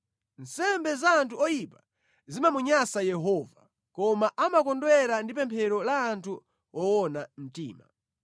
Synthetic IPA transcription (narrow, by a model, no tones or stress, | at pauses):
n̩sɛmbɛzaːntʰuɔjipa | zimamuɲasajɛɦɔːva | kɔmaʔamakɔndwɛɾandip̬ɛmpʰɛɾɔlaːntʰu | ɔwɔnam̩tḭːma